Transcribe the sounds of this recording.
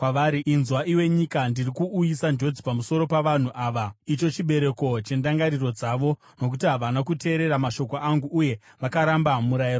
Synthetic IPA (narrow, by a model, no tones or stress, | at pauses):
kwaʋaɾiinzwaʔiwe̞ɲikandirikuʔujisand͡ʒo̞d͡zipamuso̞ɾo̞paʋan̤uʔaːʋait͡ʃo̞t͡ʃiɓe̞ɾe̞ko̞t͡ʃe̞ndaŋɡaɾiro̞d͡zaʋo̞ | no̞k̬utiɦaʋanakute̞ːɾe̞ɾamaʃo̞koʔaŋɡuːje̞ | ʋakaɾambamuɾajir